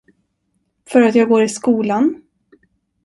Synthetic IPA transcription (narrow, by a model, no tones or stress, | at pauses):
fœɾat̪jɑːɡoːɾɪskuːlan